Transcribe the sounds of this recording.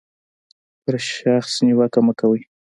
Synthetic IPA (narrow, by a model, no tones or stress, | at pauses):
pəɾʃaxsniwakamakawəj